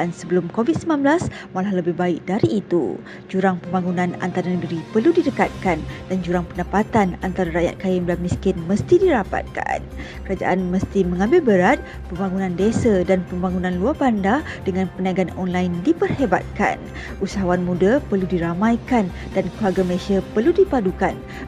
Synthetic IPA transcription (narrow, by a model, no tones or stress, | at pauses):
ansəbəlʊmkovid̚səmlanbəlasmalahləbɪhbaɪk̚daɾiːt̪ṵ | d͡ʒuɾaŋpəmbaŋunãna̰nt̪aɾanəɡəɾipərludidəkat̪̚kandand͡ʒuɾaŋpəndəpat̪anant̪aɾaɾaʔja̰t̪̚kajəmblamiskɪnmə̃st̪idiɾapa̰t̪̚ka̰nkəɾad͡ʒa̰ʔanməst̪imə̃ŋãmbɪlbəɾat̪̚ | pəmbaŋunãndesədanpəmbaŋunãnluarbandad̥əŋãnpənaɡanɔnlajndipərheba̰t̪̚ka̰n | ʔusaɦawanmũdapərludiɾamãjkan | dankəluarɡaməlesiapərludipadukan